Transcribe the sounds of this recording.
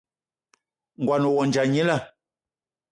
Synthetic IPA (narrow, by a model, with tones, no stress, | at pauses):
ŋ̩˨ɡwa˨no˨wɔ˨n˨d͡ʒa˨ɲi˦la˦˨